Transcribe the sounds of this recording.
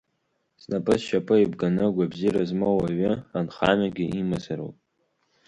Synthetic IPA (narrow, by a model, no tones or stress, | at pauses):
snapʼɨsʃapʼɨibɡanɨɡʷabziɾazmowaɥɪanχamaɡʲɪimazaɾo̰pʼ